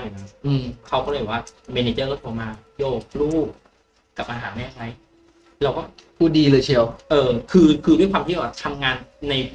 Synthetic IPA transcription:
a˥˩jiː˨˩na˦˥ʔɯː˧mkʰa˦˥wkɔː˥˩lːjwaː˥˩me˧neː˧t͡ɕɤː˥˩kɔ˥˩t̪ʰoː˧maː˧kʰiː˦˥ʔoː˧kʰluː˥˩ | ka˨˩p̚ːʔa˧nɦaː˩˦nɛː˥˧˩t͡ɕʰa˦˥˩j | lɛ˦˥wkɔː˥˩pʰuː˥˩diː˧lɤː˧jt͡ɕʰi˧˥˩wʔɤː˧kʰɯː˧kʰɯː˧u˥˩jkʰwaː˧mtʰiː˦˥˨oː˧˩a˧˩t̪ʰa˧mŋaː˧nːa˧j

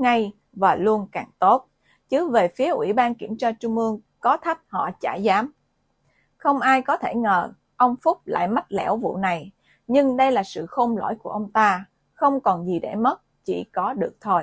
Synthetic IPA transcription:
ŋa˧j | vaː˨˩lu˧ənkaː˨˩ŋt̪o˦˥t̚ | t͡ɕɨ˨˦ve˨˩fi˨˦əʔwḭ˧˩ɓaː˧nki˧˩əmt͡ɕaː˧t͡ɕʊ˧ŋ͡mʔɨ˧əŋkɔ˨˦t̪ʰa˦˥t̚hɔ̰˧˨t͡ɕa̰ː˧˩jzaː˨˦m | xə˧wŋ͡mʔaː˧jkɔ˨˦t̪ʰe˧˩ŋəː˨˩ | ʔə˧wŋ͡mfʊ˦˥k͡p̚la̰ː˧˨jma˦˥t̚lɛ̰˧˩wvṵ˧˨na˨˩j | ɲɨ˧ŋɗə˧jlaː˨˩sɨ̰˧˨xo˧mlo̰˧˥jku˧˩əʔə˧wŋ͡mt̪aː˧ | xə˧wŋ͡mkɔ˨˩nzi˨˩ɗḛ˧˩mə˦˥t̚t͡ɕḭ˧˩kɔ˨˦ɗɨ˨˩ək̚t̪ʰo˧j

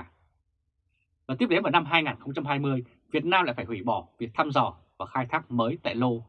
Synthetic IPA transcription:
vaː˨˩t̪i˦˥ɗe˨˦nvaː˨˩na˧mɦaː˧jŋaː˨˩nxə˧wŋ͡mt͡ɕa˧mɦaː˧jmɨ˧əj | vi˨˩ət̚naː˧mla̰˧˥˨faː˧˩jhwi˧˩ɓɔ˧˩vi˨˩ək̚t̪ʰaː˧mzɔ˧˩vaː˨˩xaː˧jt̪ʰaː˦˥k̚məː˨˦jt̪a̰ː˧˨jlo˧

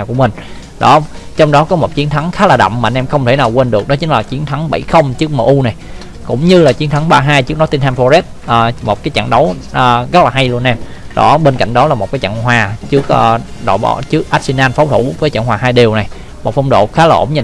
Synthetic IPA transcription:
aː˨˩wku˧˩əmï˨˩ŋ̟ | ɗɔ˨˦ | t͡ɕɔ˧wŋ͡mɗɔ˨˦kɔ˨˦mo˨˩t̚t͡ɕi˨˦ənt̪ʰa˨˦ŋxaː˨˦laː˨˩ɗə̰˧˨wŋ͡mmaː˨˧nʔɛ˧mxə˧wŋ͡mt̪ʰe˧˩naː˨˩wkwe˧nɗɨ˨˩ək̚nɔ˨˦t͡ɕï˨˦ŋ̟laː˨˩t͡ɕi˨˦ənt̪ʰa˨˦ŋɓə̰˧˩jxə˧wŋ͡mt͡ɕɨ˦˥ək̚mə̰˨˩ʔu˧na˨˩j | kʊ̰˧˥ŋ͡mɲɨ˧laː˨˩t͡ɕi˨˦ənt̪ʰa˨˦ŋɓaː˧ɦaː˧jt͡ɕɨ˦˥ək̚nɔ˨˦jt̪i˧nt̪aː˧nfɔ˧zɛ˦˥t̚ʔəː˨˩mo˨˩t̚kaː˨˦jt͡ɕa̰˧˨ŋɗə˨˦wʔːɣə˦˥t̚laː˨˩ɦa˧jlu˧ənʔɛ˧m | ɗɔ̰˨˦ɓeː˧nka̰˧˨jŋ̟ɗɔ˨˦laː˨˩mo˨˩t̚kaː˨˦t͡ɕa̰˧˨ŋɦwaː˨˩t͡ɕɨ˦˥ək̚ʔːɗo̰˧˨ɓɔ̰˧˩˦t͡ɕɨ˦˥ək̚ʔaː˦˥t̚si˧naː˧nfɔ˨˦wŋ͡mt̪ʰu˧˩vəː˨˦jt͡ɕa̰˧˨ŋhwaː˨˩ɦaː˧jɗi˨˩əwna˨˩j | mo˨˩t̚fwŋ͡mɗo̰˧˨˩xaː˨˦laː˨˩ʔmɲa˧˩

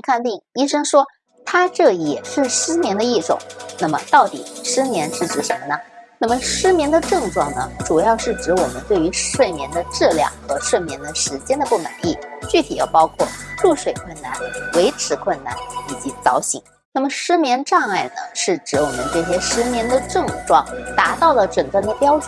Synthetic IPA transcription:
kʰa˥˧nt̪i˥˩ŋi˥ʂɤ˥ŋʂwɔ˥ | t̪ʰa˥ʈ͡ʂɤ˥˩jɛ˨˩ʂɻ̩˥˩ʂɻ̩˥mjɛ˧˥nd̪ə˧i˥˩ʈ͡ʂʊ̰˨˩˦ŋna˥˩mə˩t̪ɑ˥˩ʊt̪ḭ˨˩˦ʂɻ̩˥mjɛ˧˥nʂɻ̩˥˩ʈ͡ʂɻ̩˧˩ʂə˧˥nə˧na˥˩mə˩ʂɻ̩˥mjɛ˧˥nd̪ə˧ʈ͡ʂɤ˥˧ŋʈ͡ʂwɑ˥˩ŋnə̰˩ʈ͡ʂu˨˩jɑ˥˧ʊʂɻ̩˥˩ʈ͡ʂɻ̩˧˥wɔ˨˩mə˦nt̪we˥˩ɪy˧˥ʂwe˥˩ɪmjɛ˧˥nd̪ə˧ʈ͡ʂɻ̩˥˧ljɑ̰˥˩ŋxɤ˧˥ʂwe˥˩ɪmjɛ˧˥nd̪ə˧ʂɻ̩˧˥t͡ɕjɛ˥nd̪ə˨pu˥˩ma̰˨˩ɪi˥˩t͡ɕy˥˩t̪ʰi˨˩jɑ˥˩ʊpɑ˥ʊkʰwɔ˥˩ʈ͡ʂu˥˧ʂwe˨˩ɪkʰwə˥˧nna̰˥˩nwe˧˥ɪʈ͡ʂʰɻ̩˧˥kʰwə˥˩˧nna̰˥˩ni˨˩t͡ɕi˧˥t͡sɑ˧˥ʊɕḭ˨˩˦ŋ | na˥˩mə˩ʂɻ̩˥mjɛ˧˥nʈ͡ʂɑ˥˧ŋa˥˩ɪnə̰˩ʂɻ̩˥˩ʈ͡ʂɻ̩˧˥wɔ˨˩mə̰˦nʈ͡ʂɤ˥˩ɕ̬jɛ˥ʂɻ̩˥mjɛ˧˥nd̪ə˧ʈ͡ʂɤ˥˧ŋʈ͡ʂwɑ̰˥˩ŋt̪a˧˥t̪ɑ˥˩ʊlə˩ʈ͡ʂə˨˩nkə˥˩nd̪ə˨˩pjɑ˥ʊt͡ɕ

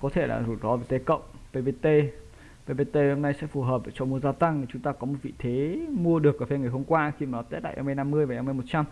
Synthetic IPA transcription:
kɔ˨˦t̪ʰe˧˩la̰ː˨˩zu˨˩ɗɔ˨˦ve˧˩t̪e˨˦kə̰˧˨wŋ͡mve˧ve˧t̪e˧ | ve˧ve˧t̪e˧ho˧mna˧jsɛ̰˧˥fu˧˩ɦəː˨˩p̚ve˨˩t͡ɕɔ˨˧mu˧əzaː˧t̪a˧ŋi˨˩t͡ɕʊ˨˦ŋ͡mt̪aː˧kɔ˨˦mo˨˩t̚vḭ˧˨t̪ʰe˨˦mu˧əɗɨ˨˩ək̚ʔaː˧˩fe˧ŋa˨˩əjɦo˧mkwaː˧xi˧maː˨˩nɔ˨˦t̪t̚ɗa̰ː˧˨ʔa̰˧mi˧jna˧mːɨ˧əjvaː˨˩˨a˧m˧jmo˨˩t̚t͡ɕa˧m

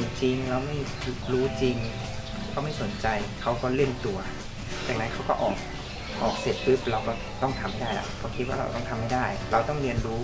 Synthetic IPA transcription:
t͡ɕi˧ŋɾa˧wma˥˩j | ɾuː˦˥t͡ɕi˧ŋ | kʰa˥˩ma˥˩jso˩˦nt͡ɕa˧jkʰa˦˥wkɔː˥˩le˥˩nt̪u˧ɐ | jaː˨˩ŋna˦˥jkʰa˦˥wkɔ̰˥˩ʔɔː˨˩k̚ | ʔɔː˨˩k̚se˨˩t̪̚pʰɯ˦˥˩p̚ɾa˧wkɔː˥˩t̪ɔ˥˩ŋt̪ʰa˧mːa˥˩daː˥˩jla̰˧˩pʰɔː˧˩kʰi˦˥waː˥˩ɾa̰˧wt̪ɔ˥˩ŋt̪ʰmːa˥˩jdaː˥˩jɾa˧wt̪ɔ˥˩ŋɾi˧ənɾuː˦˥

